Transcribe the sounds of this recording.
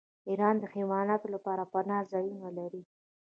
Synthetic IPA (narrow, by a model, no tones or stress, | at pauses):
iɾɑnd̪əximɑnɑt̪olapɑɾapanɑzɑjunalaɾi